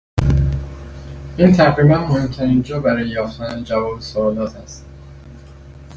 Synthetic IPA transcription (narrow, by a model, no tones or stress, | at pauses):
ʔiːnt̪ʰæʁɾiːmænmohe̞mt̪ʰæɾiːnd͡ʒɒːbæɾɒːjejɒːft̪ænæd͡ʒævɒːbesoɒːlɒːt̪ʰæst̪